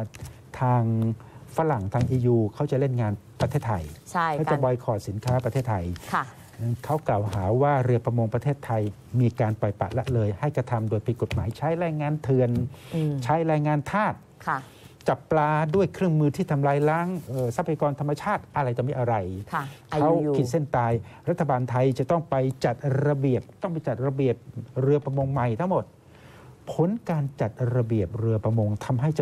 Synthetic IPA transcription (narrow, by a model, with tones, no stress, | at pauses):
t̪ʰaː˧ŋfa˦˥ɾa˨˩ŋt̪ʰaː˧ŋʔiː˧juː˧kʰa˦˥wt͡ɕa˨˩le˥˩nŋaː˧npɾa˧t̪ʰeː˥˩t̪ʰːa˧jt͡ɕʰa˥˩ka˥˩t͡ɕa˨˩bɔː˧jkʰɔː˨˩t̪̚si˩˦nkʰaː˦˥pɾt̪ʰeː˥˩t̪ʰːa˧jkʰː | kʰa˦˥wklaː˨˩wɦaː˩˦waː˥˩ɾi˧əpɾa˧mo˧ŋpɾa˧t̪ʰeː˥˩t̪ʰːa˧j | miː˧kaː˧npɔ˨˩jpa̰˨˩ʔlɛ˦˥ʔlɤː˧jha˥˩jkɾa˧t̪ʰa˧mdoː˧jpʰi˨˩t̪̚ko˨˩t̪̚ma̰ː˩˦jt͡ɕʰaː˦˥jɾaː˧jŋaː˧nt̪ʰɯ˧ənt͡ɕʰaː˦˥jɾaː˧jŋaː˧nt̪ʰaː˥˩t̪̚ | kʰ | t͡ɕa˨˩pːlaː˧du˥˩əjkʰɾɯ˥˩əŋmɯː˧t̪ʰiː˥˩t̪ʰa˧mlaː˧jla˦˥ŋʔɤː˨˩sa˧˦˥pʰa˧jaː˧kɔː˧nt̪ʰa˧mːa˧t͡ɕʰaː˥˩t̪̚ʔa˧ɾa˧jt͡ɕ̪a˨˩miː˧˥ʔa˧ɾa˧jʰkʰa˦˥wki˨˩t̪̚se˥˩nt̪aː˧jɾa˦˥t̪ʰːa˧baː˧nt̪ʰa˧jt͡ɕa˨˩t̪ɔ˥˩ŋpa˧jt͡ɕa˨˩t̪̚ɾa˧bi˨˩əp̚t̪ɔ˥˩ŋpa˧jt͡ɕa˨˩t̪̚ɾa˧bi˨˩əp̚ɾɯ˧əpɾa˧mo˧ŋma˨˩jt̪ʰa˦˥ŋmo˨˩t̪̚ | pʰo˩˦nkaː˧nt͡ɕa˨˩t̪̚ɾa˧bi˨˩əp̚ɾɯ˧əpɾa˧mo˧ŋt̪ʰa˧mɦa˥˩jt͡ɕa˧˩